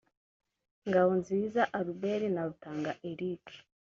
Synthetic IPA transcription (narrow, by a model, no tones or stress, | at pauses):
ŋɡawonziːzaʔaɾubeɾinaɾutaːŋɡaʔeɾiki̥